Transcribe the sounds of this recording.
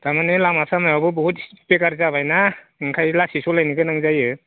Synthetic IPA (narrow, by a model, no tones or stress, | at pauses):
d̥amanɯlamasʰamajawbɯbɔhutpekaɾzabajna | ɯŋkʰajlasisɔlajniɡɯnaŋzajɯ